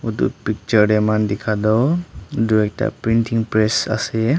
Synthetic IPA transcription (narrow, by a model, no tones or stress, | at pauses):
ud̪ṵp̚pik̚t͡ʃɔɾɾɛmand̪ikʰad̪ɔwd̪uɛk̚ta̰pɾintiŋpɾesa̰sɛ